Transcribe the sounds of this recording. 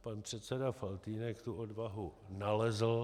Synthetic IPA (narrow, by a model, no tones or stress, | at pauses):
panpr̝̥ɛt̪sɛdafalt̪iːnɛkt̪uodvaɦunalɛzl̩